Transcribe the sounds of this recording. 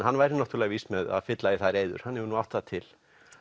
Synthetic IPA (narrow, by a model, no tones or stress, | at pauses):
hanːvajɾɪnaht̪ʏɾlɛɣvist̪mɛða̰ðfɪt̪laiθajɾejðʏ̰ɾ̥hanːɛvʏnuawht̪at̪ʰɪl̥